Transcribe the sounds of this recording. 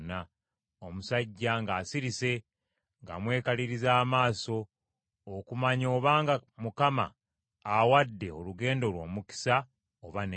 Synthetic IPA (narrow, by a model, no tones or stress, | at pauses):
na | o̞musaɟːaŋɡaːsiɾise̞ | ŋɡa̰mwe̞ːkaliɾizaːmaːso̞ː | kumaɲo̞ːβaːŋɡamukama̰ː | wadːe̞o̞̰luɡe̞ːndo̞lwo̞̰ːmuki̥sa | oβan